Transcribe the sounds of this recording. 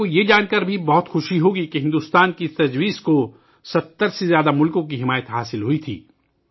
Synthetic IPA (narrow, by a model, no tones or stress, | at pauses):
ojed͡ʒaːnkəɾbʱibɔɦʊt̪xʊʃiɦoːɡikeɦɪ̃nd̪ʊst̪aːnkit̪ɐd͡ʒwiːzko | sɐt̪ːəɾsezjaːd̪amʊlkõk̬iɦɪmaːjət̪ɦaːsɪlɦuit̪ʰḭː